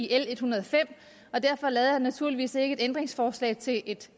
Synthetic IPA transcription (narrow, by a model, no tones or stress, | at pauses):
ele̝d̥hunɐð̞ˠɒfem̰ | ɒ̽d̥æɐ̰fɒ̽lɛːð̩ˠhænːæt͡sʰuɐliʋḭːse̝ɡ̥əe̝̥end̥ʁeŋsfɒːslɛ̰ːɪt͡sʰe̝ʔe̝d̥